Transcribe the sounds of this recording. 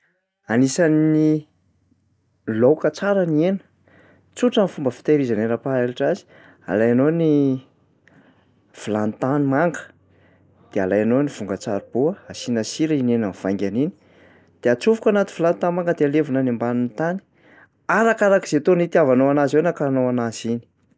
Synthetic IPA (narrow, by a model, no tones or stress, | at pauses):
anisani | lowkət͡saɾanienə̥ | t͡suʈ͡ʂanifumbəfi̥t̪eɾizaneɾapaeliʈ͡ʂazi̥ | a̰lajanoni | v̥ulant̪animaŋɡə̥ | d̪̥ealajanoniv̥uŋɡət͡saɾub̥uəasinasiɾəinenanv̥aŋɡʲanini̥ | d̪̥eat͡suvukanat̪i̥vilanit̪anmaŋɡəd̪ealevunanimbanunit̪ani̥ | aɾakaɾakiz̥et̪onit̪iavanoanazewnakanoanazini̥